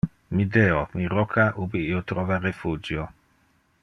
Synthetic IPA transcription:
mid̪eomiɾokʰaʔubiiot̪ɾoːvarefuːd͡ʒjo

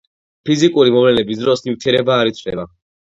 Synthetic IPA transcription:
pʰizikʼuɾimɔvlɛnɛbisd̪ɾɔsnivt̪ʰiɛɾɛbaːɾit̪sʰvlɛ̰ba

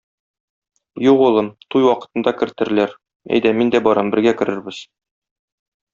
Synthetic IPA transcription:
juʁulˠɤmt̪ujwɒqɤ̥̆t̪ɤ̆nd̪ɑkɘ̆ɾt̪ɘ̆ɾɘ̆læɾ | æ̰jd̪æmind̪æbɒɾɑmbɘ̆ɾɡækɘ̆ɾɘ̆ɾbɘz

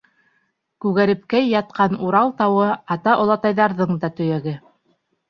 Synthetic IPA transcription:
kʉɣæɾɘ̆p̚kæjːɑt̪̚qʰɑnuɾɑlˠt̪ɑwɤɑt̪ɑʔŏlˠɑt̪ɑjðɑɾðɤɴd̪ɑt̪ɵ̆jæɡɘ

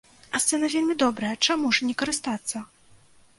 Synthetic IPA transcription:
ɐssɛnɐvʲelʲmʲid̪ɔbɾɐjɐt͡ʂamuʐnʲɛkɐɾɨst̪at̪sːɐ

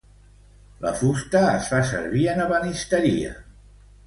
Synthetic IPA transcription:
lə̰fust̪əːsfasə̰ɾβiənəβənist̪əɾḭə̰

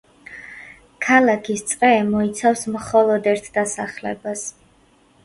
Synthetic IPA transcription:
kʰalakʰist̪sʼqʼɛːmɔit̪sʰafsmχɔlˠɔd̪ɛɾt̪ʰd̪asaχlɛ̰bas

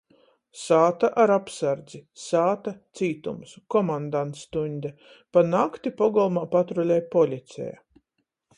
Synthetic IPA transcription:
saːt̪aʔaɾapsaɾd̪zisaːt̪at̪siːt̪umsu̥kɔmand̪ant̪st̪uɲʲd̪a | panakt̪ipɔɡɔlˠmaːpat̪ɾɔlʲɛjpɔlʲit̪sʲɛ̰ja̰

